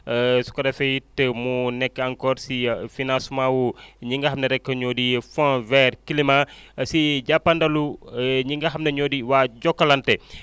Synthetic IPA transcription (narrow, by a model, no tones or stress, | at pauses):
su̥kɐdɐfɛjitəmunɛkːəɐŋkɔːɾsifinãsmãwuɲiŋɡɐɦɐmnɐɾɛkːəɲɔːdifɔ̃vɛːrkilimasiɟapːɐndɐluɲiŋɡɐɦɐmnɐɲɔːdiwaːɟɔkːɐlɐntɛ